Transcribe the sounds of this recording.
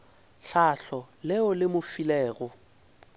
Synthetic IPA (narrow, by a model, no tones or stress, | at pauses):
ɬaɬɔlɪʊlɪmʊfilɛːɣɔ